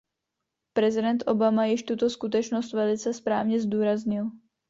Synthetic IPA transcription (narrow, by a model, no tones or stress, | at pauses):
pɾɛzidɛnt̪ʔɔbamajɪʃt̪ut̪ɔskut̪ɛt͡ʃnɔscʋɛlit͡sɛspɾaːvɲɛzd̪uːɾazɲil